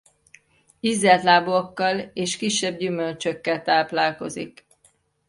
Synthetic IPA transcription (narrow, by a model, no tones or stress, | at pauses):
izːɛlt̪laːbookːɒleːʃkiʃːɛb̚ɟymølt͡ʃøkːɛlt̪aːplaːlko̞̰zḭk